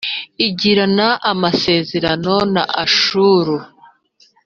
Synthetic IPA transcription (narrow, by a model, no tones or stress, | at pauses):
iɟiɾanaʔamase̞ːze̞ɾano̞na̰ʔaʃuɾu